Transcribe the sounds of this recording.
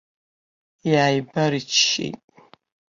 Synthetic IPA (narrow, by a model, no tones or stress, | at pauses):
jaːjbɐɾit͡ʃʰːḭjtʼ